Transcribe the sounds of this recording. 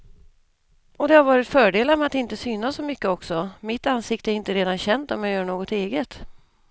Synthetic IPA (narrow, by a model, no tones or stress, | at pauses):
ɔd̪ɛhaɾvɑːɾɪt̪fœːɖeːlaɾmɛat̪ɪnt̪əsyːnasːɔmʏkːəɔksɔmɪt̪ːansɪk̚t̪əæɾɪnt̪əɾeːd̪anɕɛnd̪ɔmjajœːɳoːɡɔt̪eːɡət̪